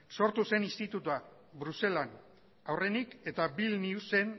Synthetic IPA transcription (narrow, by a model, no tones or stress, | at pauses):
so̞ɾt̪use̞nist̪it̪ut̪ua | bɾuse̞lan | awre̞nike̞t̪abilniusen